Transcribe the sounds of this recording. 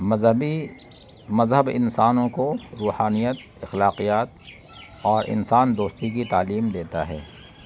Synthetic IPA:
i | mɐzɦəbɪ̰nsaːnõkoɾuːhaːnijət̪ | ɪxlaːqijaːt̪̚ | ɔːɾʔɪ̰nsaːnd̪oːst̪ikit̪aːliːmd̪eːt̪a̰ɦɛ̰ː

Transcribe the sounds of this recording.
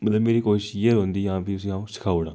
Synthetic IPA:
mət̪ləbmeːɾiːkoːʃjeɾɦõːnd̪iːjãːpiːʊsĩːãːũːʃɪ̥kʰaːuːɽãː

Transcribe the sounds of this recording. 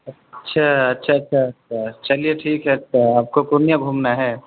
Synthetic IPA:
ə | tːʃʰaɐtːʃʰaətːʃʰatʃʰat͡ʃɐlijeʈʰiːkɦɛtːʃʰaaːp̚kopʊɾnjabʱumnaɦɛ

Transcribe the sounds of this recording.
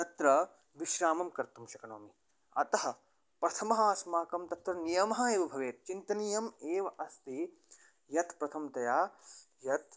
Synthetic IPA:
t̪ɐt̪ɾɐ | ʋiʃɾaːmɐmkɐɾt̪umʃɐkɐnoːmi | ɐt̪ɐɦɐ̆ | pɾɐt̪ʰɐmɐɦaːsmaːkɐmt̪ɐt̪ɾɐnijɐmɐɦɐeːʋɐbʱɐʋeːt̪̚t͡ʃint̪ɐniːjɐmeːʋɐʔɐst̪i | jɐt̪pɾɐt̪ʰɐmt̪ɐjaː | jɐt̪

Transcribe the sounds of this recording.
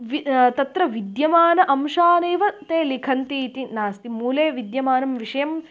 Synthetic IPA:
ʋit̪ɐt̪ɾɐʋid̪jɐmaːnɐʔɐmʂaːnɐːʋɐt̪eːlikʰɐnt̪iːt̪inaːst̪imuːleːʋid̪jɐmaːnɐmʋiʂɐjɐm

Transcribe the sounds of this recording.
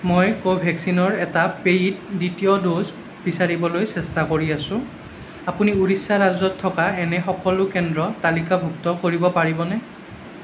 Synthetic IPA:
mojkobʱɛksinɔɹɛtapejt̚ditijɔdoz | b̥isaɹibɔlojsɛstakoɹiasʊ̃ | apuniuɹisːaɹazɔtʰːɔkaɛnɛxɔkɔlʊkɛndɹɔtalikabʱuktɔkoɹibɔpaɹibɔnɛ

